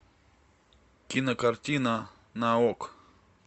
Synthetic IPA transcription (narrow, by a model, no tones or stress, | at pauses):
kinakaɾt͡ʃina | naok